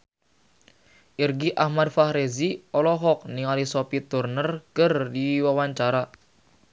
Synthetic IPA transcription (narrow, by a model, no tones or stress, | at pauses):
ʔirɡiʔahmad̪̚fahɾeziɔlɔɦɔk̚niŋalisɔpit̪urnərkərdiwawaɲt͡ʃaɾa